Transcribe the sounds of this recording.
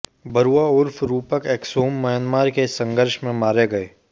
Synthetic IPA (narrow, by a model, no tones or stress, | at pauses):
bɐɾuaʊɾfʰɾuːpəkeːksoːmːɐjənmaːɾkesə̃ŋɡəɾʃmẽmaːɾeɡɐeː